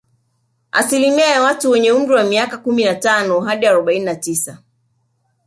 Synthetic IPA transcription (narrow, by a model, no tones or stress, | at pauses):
a̰silimiajawatuwɛɲɛum̩ɾiwamiakakuminatanɔɦaɗiaɾɔɓaininatisa